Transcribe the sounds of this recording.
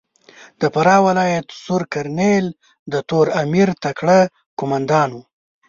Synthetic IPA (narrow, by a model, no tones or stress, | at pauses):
d̪̥əpaɾɑwɪlɑjat̪suɾkaɾnel | d̪ət̪oɾamiɾt̪akɽa | kʊmand̪ɑnwu